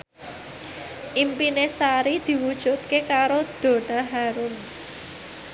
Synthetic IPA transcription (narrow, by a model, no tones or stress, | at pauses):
ʔimpinesaɾid̪̥i̤wud̥ʒ̥ṳt̪̚kekaɾod̪̥o̤naɦaɾʊn